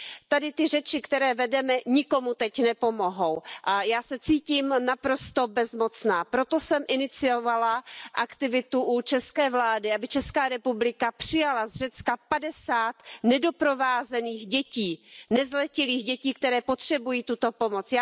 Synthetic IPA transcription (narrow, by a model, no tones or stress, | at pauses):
t̪adɪt̪ɪrɛt͡ʃɪkt̪ɛɾɛːvɛdɛmɛɲɪko̞mut̪ɛcnɛpo̞mo̞ɦo̞wʔajaːsɛt͡siːciːmnapɾo̞st̪o̞bɛzmo̞t͡snaːpɾo̞t̪o̞sɛmʔɪnɪt͡sɪovalaʔakt̪ɪvɪt̪uʔut͡ʃɛskɛːvlaːdɪabɪt͡ʃɛskaːɾɛpublɪkapr̝̥ɪjalazrɛt͡skapadɛsaːt̪nɛdo̞pɾo̞vaːzɛniːxɟɛciːnɛzlɛcɪliːxɟɛciːk̚t̪ɛɾɛːpo̞t̪r̝̥ɛbujiːt̪ut̪o̞po̞mo̞t͡sjaː